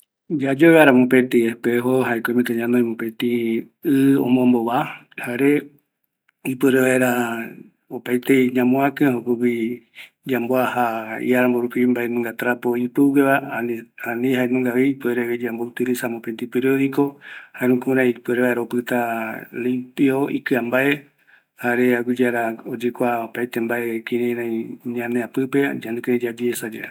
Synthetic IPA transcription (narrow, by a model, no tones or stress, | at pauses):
d͡ʒad͡ʒoβeaɾamõpet̪iepeɦoɦaekʷemẽt̪eɲãnojmõpet̪i | ɨõ̰mõmboβa | haɾe | ipɨɾeβaeɾa | opajt̪eɲãmõãkɨ̃ɦopɨki | d͡ʒamboahaḭaɾamboɾupimbaenũŋɡat̪ɾapoipɨɡeβaanĩɦaenũŋɡaβepeɾeβed͡ʒambout̪ɨɾisamõpent̪ipeɾioðikohaeɾũkuɾãj̃pueɾeβaeɾaopɨt̪alimpioḭkɨambae | haɾeaɡʷid͡ʒaɾaod͡ʒɨkʷaopajt̪embaekĩɾẽɾãĩɲãneapɨped͡ʒanĩkeɾẽd͡ʒad͡ʒiesad͡ʒe